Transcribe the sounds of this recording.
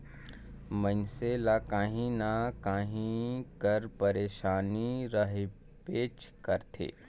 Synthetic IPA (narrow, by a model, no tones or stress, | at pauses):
mənselakaːɦĩnakaːɦĩkəɾpəɾeːʃaːniɾɐɦe | peːt͡ʃkəɾt̪ʰḛː